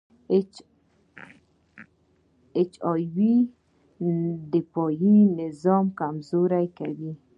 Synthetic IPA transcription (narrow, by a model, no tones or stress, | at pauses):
et͡ʃɑjwi | d̪ɪpɔjinɪzɔmkamzoɾajkawi